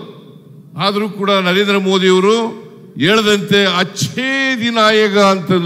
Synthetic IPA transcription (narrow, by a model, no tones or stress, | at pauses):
aːd̪ɐɾuːkuːɽɐnɐɾeːnd̪ɾɐmo̞ːd̪ijɐʋɐɾu | eːɭɐd̪ɐnt̪e̞ɐt͡ʃed̪inaːjɐkɐːnt̪ɐn